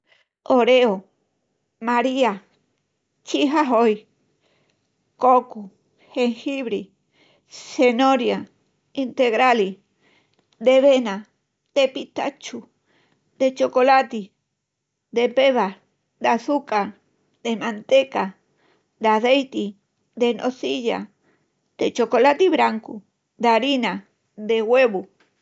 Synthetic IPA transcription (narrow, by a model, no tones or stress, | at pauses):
oɾeo | maɾia | t͡ʃiɦaɦoj | koku | heŋhiβɾi | senoɾja | int̪eɣɾali | d̪eβena | d̪̥epit̪a̰t͡ʃu | d̪et͡ʃokolat̪i | d̪epeβaɾ | d̪aθukaɾ | d̪emant̪eka | d̪aðejt̪i | d̪enʔoθiʎa̰ | d̪et͡ʃokolat̪iβɾaŋku | d̪aɾina | d̪eweβu